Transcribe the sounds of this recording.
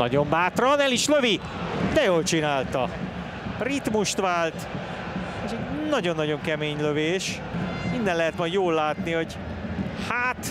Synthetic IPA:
nɒ̰ɟo̞mbaːt̪rɒnɛliʃløvi | d̪ɛjoːlt͡ʃinaːlt̪ɒ | rit̪muʃt̪ʋaːlt̪ | eʃɛnɒɟo̞nːɒɟo̞ŋkɛmeːɲløveːʃ | mind̪ɛnlɛɦɛt̪mɒjd̪joːlːaːt̪niho̞ɟ | haːt̪

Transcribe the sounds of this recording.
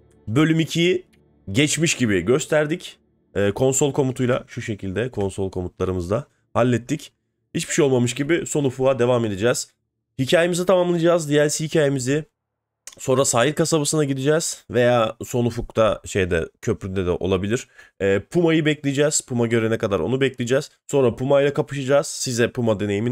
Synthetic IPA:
bø̞lʲymicʰiji | ɟɛt͡ʃmiʃɟibɪɟø̞st̪ʰæɾd̪ic | ɛːkʰo̞nsolˠkʰo̞mut̪ʰujlˠa̰ʃuʃe̞cʰilʲd̪ɛkʰo̞nso̞lˠkʰo̞mut̪lˠaɾɯmɯzd̪a | halʲːɛt̪ʰːic | hit͡ʃbiʃejo̞lˠmamɯʃ̬ɟibɪso̞nufuad̪e̞vame̞d̪id͡ʒɛːz̥ | hicʰaːjemizit̪ʰamamlˠɯjd͡ʒaːzd̪ijæɾsihicʰaːjemizɪ | so̞nɾasaːjiɾkasabasɯnaɟid̪id͡ʒɛːz̥ve̞jaːso̞nufuk̚t̪ʰaʃe̞jd̪ɛ̰cʰø̞pɾynd̪ɛd̪ɛ̰ʔo̞̰lˠabilʲiɾ̥ɛːpʰumajɯbɛclʲid͡ʒɛːz̥pʰumaɟø̞ɾɛnɛkad̪aɾo̞̰nubɛclʲijid͡ʒɛːz̥so̞nɾapʰumajlˠakapɯʃad͡ʒaːz̥sizd̪ɛpumad̪e̞ne̞jimin

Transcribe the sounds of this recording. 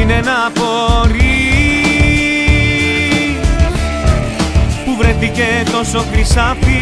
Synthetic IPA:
inenɐpo̞ɾi | puvɾe̞θice̞t̪o̞so̞kɾisɐfi

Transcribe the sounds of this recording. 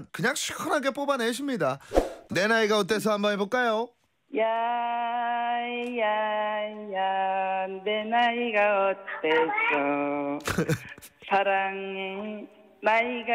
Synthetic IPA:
nkɯɲaŋɕʰi̥kʰʌnaɡe̞p͈obaneɕ̬ʰimɲidane̞naiɡaʌt̬͈e̞s̬ʰʌhambʌnibok͈ajo | ja | ja | ja | nenaiɡaʌt͈esʌ | sʰaɾaŋe | naiɡa

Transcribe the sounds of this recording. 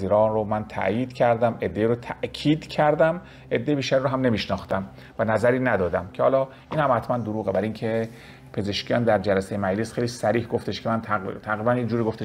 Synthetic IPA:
ziːɾɒːnromænt̪ʰæ̰ʔjiːd̪̥cʰæɾd̪æme̞d̪ːe̞iːɾot̪ʰæʔcʰiːd̪cʰæɾd̪æm | ʔe̞d̪ːejebiːʃt̪æɾiɾoɦæmne̞miːʃnɒːxt̪æm | vænæzæɾiːnæd̪ɒːd̪æmcʰehɒːlɒː | ʔiːnhæmhæt̪ʰmænd̪oɾuːɣebæɾiŋkʰe̞ | pʰe̞ze̞ʃkijɒːnd̪æɾd͡ʒælæsejemæd͡ʒlesxejliːsæɾiːhɡo̞ft̪e̞ʃkʰemænʰt̪ʰæɣɾiːbænjed͡ʒuːɾiːɡo̞ft̪e

